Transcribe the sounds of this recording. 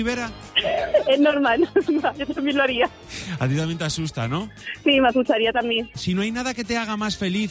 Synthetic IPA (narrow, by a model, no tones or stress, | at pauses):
iβeɾa | enoɾmanɾmaʝot̪ambjenloaɾia | at̪̬it̪amjent̪asust̪a̰nõsimasut͡ʃaɾiat̪amjeŋsinoajnaðaket̪eaɣ̞amasfe̞liθ